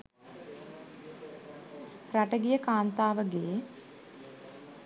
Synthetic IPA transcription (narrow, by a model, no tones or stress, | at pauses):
pɾaʈəɡijəkaːnt̪aːʋəɡeː